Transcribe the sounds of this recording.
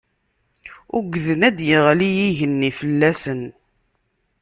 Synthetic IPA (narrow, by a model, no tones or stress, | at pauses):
ʊɡðənæd̪jəʁlijiʝənːifəlːæsən